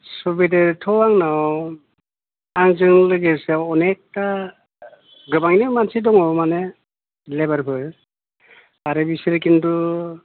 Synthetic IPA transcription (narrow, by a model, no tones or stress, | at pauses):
subideɾtʰɔwaŋnaw | aŋzɯŋlɯɡesaɔnek̚ta | ɡɯbaŋnɯmansʰidɔŋɔmane | lebaɾpʰɯɾ | aɾɯbisiɾɯkindu